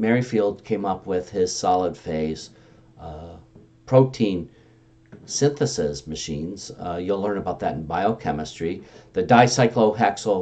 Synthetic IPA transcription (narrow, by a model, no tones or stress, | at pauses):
mɛɹifilˠd̚kʰẽɪ̃mʌpwɪð̥ɪz̥sɑlˠəd̥feɪz̥ | pʰɹ̥oʊtʰĩn | sɪ̃nθɨsɪzmɨʃĩnz̥julɜ̃˞nəbaʊt̪̚ðɨɾn̩baɪoʊkʰɛmɨstɹ̥iðɨdaɪsaɪkloʊɦɛksl̩ˠ